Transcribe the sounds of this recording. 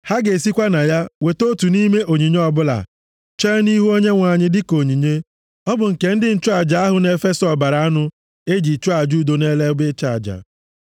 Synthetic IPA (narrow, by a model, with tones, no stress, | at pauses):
ha˦ɡe˨si˦kʷa˦na˨ja˦we˨to˦tu˨ni˦me˦ʔo˨ɲi˨ɲ˦ɔ˦˨bʊ˦la̰˨ | t͡ʃe˦ni˦ɦu˦o˦ɲe˦ŋʷa˨ɲɪ˦dɪ˦ko˨ɲi˨ɲe˦ | ɔ˦bʊ˨ŋ̩˨ke˨n̩˦dɪ˦n̩˦t͡ʃʊ˦a˨d͡ʒa˨a˦ɦʊ˨ne˨fe˦sɔ˨ba˨ɾa˨a˦nʊ˦ | e˦d͡ʒi˨t͡ʃʊ˦a˨d͡ʒu˦˨do˨ne˦le˦bɪ˦t͡ʃa˦˨d͡ʒa̰˨